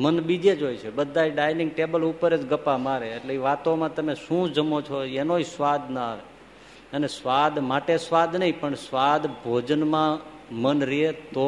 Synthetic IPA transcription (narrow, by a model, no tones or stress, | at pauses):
mənbid͡ʒ̪ʱed͡ʒojt͡ʃʰebəd̪ʱːajɖajnɪ̃ŋɡʈebəlupəɾet͡ʃɡəpamaɾeːʈleiʋat̪omãt̪əmeʃũd͡ʒəmot͡ʃʰoenod͡ʒsʋad̪nəəʋe | ənesʋad̪maʈesʋad̪nəɦĩpəɳsʋad̪bʱod͡ʒənmãmənɾiɦet̪o